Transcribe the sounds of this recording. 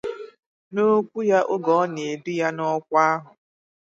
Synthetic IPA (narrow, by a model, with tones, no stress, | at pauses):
no˦kʷu˦ja˦ʔo˦ɡɔ˨˦ne˨du˦ja˦nɔ˦kʷa˦ɦʊ˨